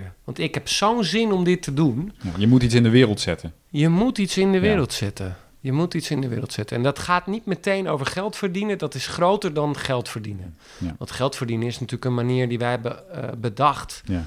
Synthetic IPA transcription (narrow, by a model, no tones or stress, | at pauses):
əʋɑntɪkhɛpsownzɪnomdɪtədunjəmutisɪndəʋɪːɾəlˠtsɪtə | jəmutitsɪndəʋɪːɾəlˠtsɪtə | jəmutitsɪndəʋɪ̰ːrəlˠtsɪtəɛndɔtχaːtnit̚mətejnowvəɹχɛlˠtfərdinədɔtɪsxrowtərdɔnχɛlˠtfərdinə | ʋɑ̃ntxɛlˠtfərdinəŋɪsnatyːləkənmaniːəɹdiʋɛjɦɛbəbədɑxt